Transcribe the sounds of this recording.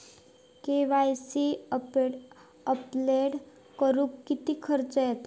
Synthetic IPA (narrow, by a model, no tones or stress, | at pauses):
keʋajsi | əpleɽ | kəɾuːkːit̪iːkʰəɾt͡səjɛt̪